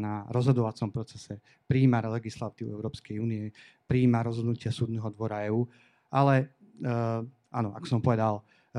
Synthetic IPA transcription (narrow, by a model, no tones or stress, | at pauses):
naɾɔzɦɔd̪ɔʋat͡sɔmpɾɔt͡sɛsɛ | pɾiːmalɛɡislat̪iːuɛʊɾɔːpskɛjuːniɛ | pɾiːmaɾɔzɦɔd̪nucɪasuːd̪nɛɦɔd̪ʋɔɾaɛːuː | alɛ | ʔanɔa̰kɔ̥sɔmpɔʋɛd̪al